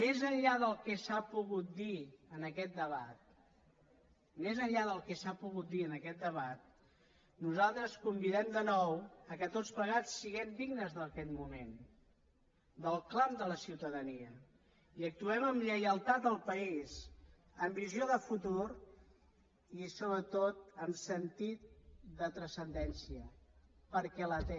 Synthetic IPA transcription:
mezəʎʎaðəlˠkɛsapuɣut̪̚d̪iənəkɛt̪̚d̪əβa̰t̪̚ | mezəʎʎaðəlˠkɛsapuɣut̪̚d̪iənəkɛt̪̚d̪əβ̞at̪̚ | nuzalˠt̪ɾəskumbiðɛmd̪ənɔwəkət̪otspləɣ̞at͡sːiɣɛmd̪iɡnəzðəkɛt̪mumen | d̪əlˠklamd̪ələsiwt̪əðəniə | iək̚t̪uɛməmʎəjəlˠt̪at̪̚d̪əlˠpəiz | əmbizioðəfut̪uɾ | isoβɾət̪ot̪̚əmsənt̪it̪̚d̪ət̪ɾəsənd̪ɛnsiəpəɾkɛlət̪ɛ

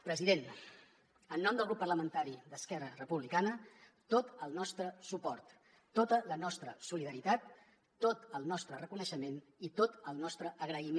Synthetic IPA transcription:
pɾəziðen | ənːɔmd̪əlˠɣɾupːərləmənt̪aɾid̪əskɛrərəpuβlikanət̪ot̪əlˠnɔst̪ɾəsupɔrt̪ː | ot̪ələnɔst̪ɾəsuliðəɾit̪at̪ː | ot̪əlˠnɔst̪ɾərəkunəʃəmen | it̪ot̪əlˠnɔst̪ɾəʔəɣɾəim

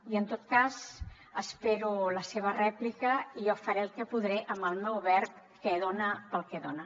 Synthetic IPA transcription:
iənt̪ot̪̚kaz | əspeɾuləseβ̞ərɛplikəiofəɾeəlˠkɛpuðɾeʔəməlˠmɛwβɛrp̚ | kɛðonəpəlˠkɛðonə

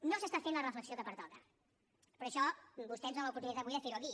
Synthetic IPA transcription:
nosəst̪afenlərəfləksioðəpəɾt̪ɔðə | pəɾəʃɔbust̪ɛnzələpuɾt̪unit̪aβujðəfeɾuwəki

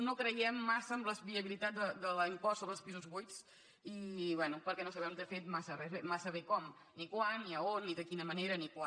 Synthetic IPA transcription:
nokɾəjɛmːasəːmləzβiəβilit̪at̪d̪əd̪ələimpɔsoβɾəlˠspizuzβujt̪s | iβɛnupəɾkɛnosəβɛmt̪efet̪masərɛemasəβekɔm | nikwanːiəonːiðəkinəməneɾənikwa

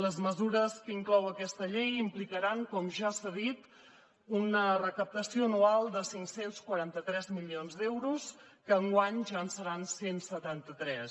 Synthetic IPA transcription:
ləzməzuɾəskəiŋklɔwəkɛst̪əʎejimplikəɾaŋkɔmʒaːsaðit̪ | unərəkəp̚t̪əsioənualˠd̪əsiŋksenskwəɾant̪ət̪ɾɛzmilionzd̪ɛwɾus | kəːŋɡwaɲʒansəɾansensət̪ant̪ət̪ɾɛs

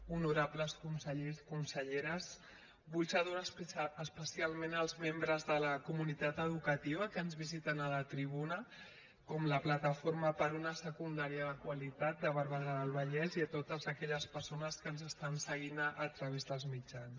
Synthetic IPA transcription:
unuɾapləskunsəʎekunsəʎeɾəz | βuʎsaðoɾəspəsialˠmenəlˠzmembɾəzðələkumunit̪at̪əðukət̪iβ̞əkənzβizit̪ənələt̪ɾiβunə | kɔmləplat̪əfoɾməpəɾunəsəkund̪aɾiəðəkwalit̪at̪̚d̪əβəɾβəɣaðəlˠβəʎɛziət̪ot̪əzəkɛʎəspəɾsonəskənzəst̪ansəɣ̞inːt̪ɾəβezðəlˠzmid͡ʒans

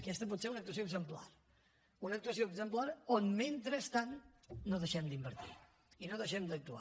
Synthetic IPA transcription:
əkɛst̪əp̬ɔt̪seɾunək̚t̪uəs̬oəɡzəmpla̰ɾ | unək̚t̪uəsioəɡzəmplaɾonment̪ɾəst̪annoðəʃɛmd̪imbəɾt̪ḭ | inoðəʃɛmd̪ək̚t̪ua̰

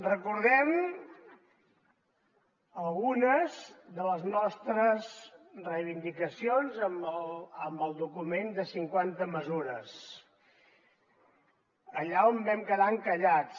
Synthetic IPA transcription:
rəkuɾðɛm | əlˠɣunəzðələznɔst̪ɾəzrəjβ̞ind̪ikəsionzəmələmbəlˠd̪ukumend̪əsiŋkwant̪əməzuɾəs | əʎaombɛmkəðaŋkəʎat͡s

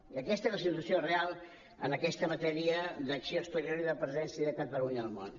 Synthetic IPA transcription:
iəkɛst̪əezləsit̪uəsiorealˠ | ə̰nəkɛst̪əmət̪ɛɾiəd̪əksioəst̪əɾioɾiðəpɾəzɛnsiəðəkat̪əuɲəlˠmo̰n

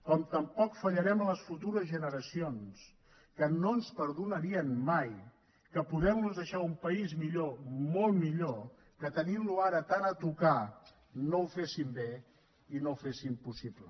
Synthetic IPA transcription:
kɔmt̪əmpɔkfəʎəɾɛmələsfut̪uɾəzʒənəɾəsions | kənoənspəɾðunəɾiənmaj | kəpuðɛmluzðəʃaumpəizmiʎomolˠmiʎo | kət̪ənimluaɾət̪anət̪uka | nowfesimbe | inowfesimpusiplə

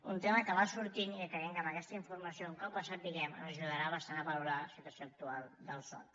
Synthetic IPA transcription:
unt̪eməkəβasuɾt̪inikəɣɛŋkapakɛst̪əiɱfuɾməsiouŋkɔpːəsat̪̚d̪iɣɛmə̰nzəʒuðəɾaβəst̪anəβəluɾasit̪wəsijoːk̚t̪ualˠd̪əlˠsɔ̰t̪

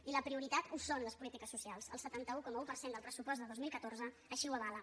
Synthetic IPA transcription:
iləpɾiuɾit̪at̪usonləspulit̪ikəsːusialˠsə̰lˠsət̪ant̪əukɔməupərsend̪əlˠpɾəsupɔz̬d̪əðozmilˠkət̪orzə | əʃiwəβalə

